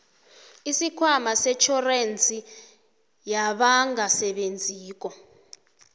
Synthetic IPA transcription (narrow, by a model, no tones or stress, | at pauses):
isikʰwamasɛt͡ʃʰɔrent͡sʰʼi | jaɓaŋɡasɛɓend͡zʱiːk̬ɔ